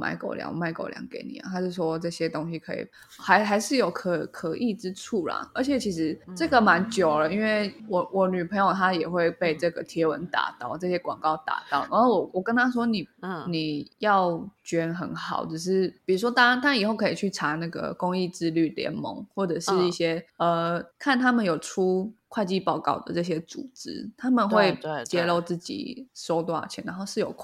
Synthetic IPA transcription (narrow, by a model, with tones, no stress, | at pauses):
mʔa̰˥˧ɪko̰˨˩ʊljɑ̰˧˦ŋ˨ma˥˩ɪko̰˨ʊljɑ̰˧˦ŋke˨˧˥ɪnḭ˨˩ə̰˨t̪ʰa˥ʂɻ̩˥˩swɔ˦ʈ͡ʂɤ˥˩ɕjɛ˥t̪o˥ŋɕi˧kʰɤ˧˦˥ḭ˨˩ | ha˧˥ɪxa˧˥ɪʂɻ̩˥˩jo˨˩ʊkʰə˨˩kʰə˧˦ʔi˥˩ʈ͡ʂɻ̩˦ʈ͡ʂʰu˥˩la̰˨˩ə˧˥t͡ɕʰjɛ˨˩t͡ɕʰi˧˥ʂɻ̩˧˥ʈ͡ʂɤ˥˩ɡə˨˩ma˧˦nt͡ɕjo˨˩ʊlə˦i˥nwe˥˩ɪwɔ˨˩wʔɔ˨˩ny˨˩pʰə˧˥ŋjo˨˩ʊt̪ʰa˦jɛ˨˩xwe˥˧ɪpe˥˧ɪʈ͡ʂɤ˥˩ɡə˩t̪ʰjɛ˧˥wə˧˦nt̪a̰˨˩t̪ɑ˥˩ʊʈ͡ʂɤ˥˧˩ɕjɛ˥kwɑ̰˨˩ŋkɑ˥˧˩ʊt̪a̰˨˩t̪ɑ˥˩ʊna˧˥˩wɔ˨˩wɔ˨˩kə˦nt̪ʰa˥s̬wɔ˥ni˨˩ni˨˩jɑ˥˨˩ʊt͡ɕɥɛ˧˥nxə̰˧˩nxɑ̰˨˩˦ʊʈ͡ʂ̩˨˩ʂ̬ɻ̩˥˩ppi˨˩ɻu˧˥ʂwɔ˥t̪a˥nt̪ʰa˥i˨˩xo˥˩ʊkʰɤ˧˥i˨˩t͡ɕʰy˥˩ʈ͡ʂʰa˧˥na˥˩ɡə̰˩kʊ˥ŋi˥˧t͡sɹ̩˥ly˥˩ljɛ̰˧˥˦nmɔ̰˧˥ŋxwɔ˥˩ʈ͡ʂɤ˨˩ʂɻ̩˥˧i˥˩ɕjɛ˥ə˨kʰa˥˩nt̪ʰa˥mə˨njo˨˩ʊʈ͡ʂʰu˦˥kʰwa˥˧ɪt͡ɕi˥˧pɑ˥˧ʊkɑ̰˥˩ʊd̪ə̰˩ʈ͡ʂɤ˥˩ɕ̬jɛ˥t͡sṵ˨˩t͡sɻ̩˦˥t̪ʰa˥mə˨nxwe˥˧ɪt͡ɕjɛ˥˧lo˥˧ʊt͡sɹ̩˥˩t͡ɕḭ˨˩so˥ʊt̪wa̰˥˩t͡ɕʰjɛ̰˧˥na̰˧˦nxo˥˧ʊʂɻ̩˥˩jo̰˨˩ʊkʰ